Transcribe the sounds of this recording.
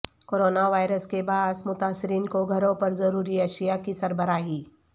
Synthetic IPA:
koːɾoːnaʋaːjɾəskebaːɦsmʊt̪aːsɪɾiːnkoɡʱɐɾõpɐɾzɐɾuːɾiɐʃijakisɐɾbəɾaːɦiː

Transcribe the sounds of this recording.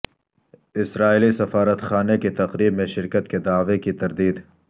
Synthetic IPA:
ɪsɾaːilisɐfaːɾət̪xaːneket̪ɐqɾiːbmẽʃɪɾkət̪ked̪aːʋekit̪ɐɾd̪iːd̪

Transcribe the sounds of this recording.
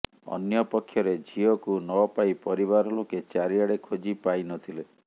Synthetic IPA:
ɔ̰njɔpɔkʰːjɔɾed͡ʒʱiɔkunɔpajpɔɾiβaɾɔloket͡ʃaɾiaɽekʰod͡ʒipajnɔt̪ʰile

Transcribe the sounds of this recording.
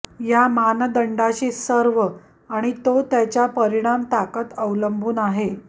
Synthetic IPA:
jamand̪əɳɖaɕiːsəɾʋə | aɽ̃it̪ot̪jat͡ɕjapəɾiɽ̃amt̪akət̪əʋləmbʱuːnaɦe

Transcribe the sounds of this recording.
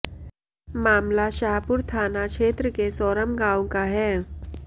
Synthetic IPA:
maːmlaʃaːɦpʊɾt̪ʰaːnakʃeːt̪ɾəkesɔːɾəmɡãːʋõkaɦɛː

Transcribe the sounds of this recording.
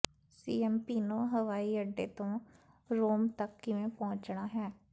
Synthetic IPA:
siːɛmpiːnõɦɐʋaːiəɖːet̪õ | ɾoːmt̪ɐkːɪʋẽpɔ̃ɦʊ̃t͡ʃnaɦɛ̃ː

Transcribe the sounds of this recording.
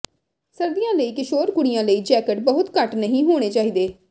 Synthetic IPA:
səɾd̪ijãːləiːkɪʃoːɾkʊɽɪjãːləiːd͡ʒɛːkəʈ̚bəɦʊt̪kəʈnəɦĩːɦoːɽ̃eːt͡ʃaːiːd̪eː

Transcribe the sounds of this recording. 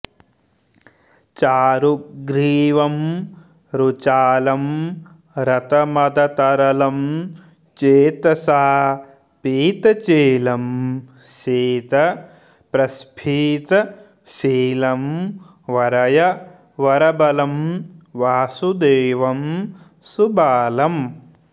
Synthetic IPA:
t͡ʃaːɾuɡɾiːʋɐm | ɾut͡ʃaːlɐm | ɾɐt̪ɐmɐd̪ʱɐt̪ɐɾɐlɐm | t͡ʃeːt̪ɐsaː | piːt̪ɐt͡ʃeːlɐm | ʃeːt̪ɐ | pɾɐspʰiːt̪ɐ | ʃiːlɐm | ʋɐɾɐjɐ | ʋɐɾɐbɐlɐmʋaːsud̪eːʋɐm | subʱaːlɐm

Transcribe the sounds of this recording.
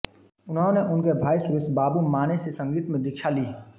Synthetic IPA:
ʊnɦõneʔʊnkebʱaːisʊɾɪsbaːbumaːnesesɐ̃ŋɡiːt̪mẽd̪ɪkʃʰaliː

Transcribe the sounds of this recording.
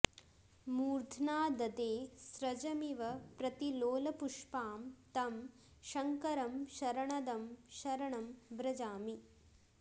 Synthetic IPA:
muːɾd̪ʱnaːd̪ɐd̪eːsɾɐd͡ʒɐmiʋɐpɾɐt̪iloːlɐpuʂpaːmt̪ɐm | ʃɐŋkɐɾɐmʃɐɾɐɳɐd̪ɐmʃɐɾɐɳɐmbɾɐd͡ʒaːmi

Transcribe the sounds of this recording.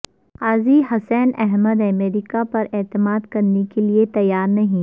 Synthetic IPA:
aːziɦɐsɛnɛɦməd̪ɐmeːɾikapɐɾeːt̪ɪmaːd̪kɐɾnekeliet̪ɐjːaːɾnɐɦĩ

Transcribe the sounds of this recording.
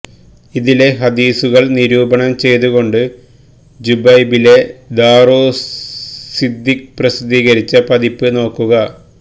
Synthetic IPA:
iðile̞ɦɐd̪iːsuɣɐɭniɾuːbɐɳɐmt͡ɕe̞jt̪uɣo̞ɳɖɨ | d͡ʑubɐjbile̞d̪aːroː | sid̪ːikprɐsid̪iːɣɐɾit͡ɕːɐpɐðipːɨno̞ːkːuɣɐ

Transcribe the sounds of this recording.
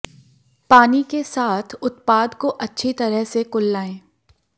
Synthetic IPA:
paːnikesaːt̪ʰʊt̪paːd̪koʔɐtːʃʰit̪ɐɾəɦsekʊlːaːẽː

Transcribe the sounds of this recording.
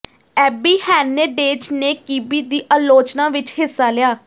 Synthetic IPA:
ɛːbiːhɛːneːɖeːd͡ʒneːkiːbiːd̪iːʔaːloːt͡ʃnãːʋɪt͡ʃɦɪsːaːlɪjaː

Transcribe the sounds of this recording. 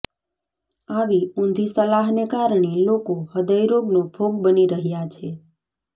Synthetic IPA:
aʋiũnd̪ʱisəlaɦnekaɾɳelokohəd̪əjɾoɡnobʱoɡbəniɾəɦjat͡ʃʰe

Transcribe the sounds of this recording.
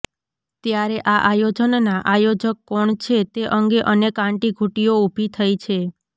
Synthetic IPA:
t̪jaɾeʔaʔajod͡ʒənnaʔajod͡ʒəkːɔɳt͡ʃʰet̪eʔəŋɡeʔənekãɳʈiɡʱuʈijoubʱit̪ʰəjt͡ʃʰe

